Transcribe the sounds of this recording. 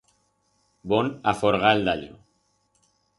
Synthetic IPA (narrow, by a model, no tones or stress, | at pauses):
bonafoɾɣaeld̪aʎo̰